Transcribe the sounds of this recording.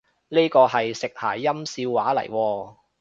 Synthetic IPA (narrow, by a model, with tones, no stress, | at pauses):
ne˥kɔː˧ɦɐ˨jsɪ˨k̚ha̰ː˨˩jjɐ˥msiː˧wːaː˨˥lɐ̰˨˩jwɔː˧